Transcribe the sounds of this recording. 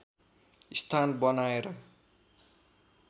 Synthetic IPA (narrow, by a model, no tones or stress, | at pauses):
ist̪ʰanbʌnaeɾʌ